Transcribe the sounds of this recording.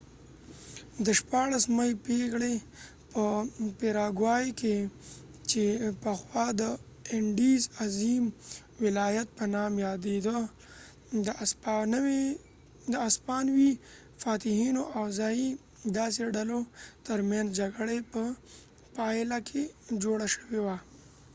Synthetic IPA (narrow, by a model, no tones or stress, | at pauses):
d̪əʃpɑɽasmajpeɡɽe | pəpeɾɑɡwɑjke | t͡ʃepəxwɑd̪ə | ɪɳɖizazim | wɪlɑjat̪̚pənɑmjɑd̪ed̪ə | d̪əaspːnəwe | d̪əaspɑnwi | faːt̪ɪhinoʔawzai | d̪aːs̬eɖalot̪əɾmjanzd͡ʒaɡɽepə | palakʰed͡ʒoɽaʃə̥wewa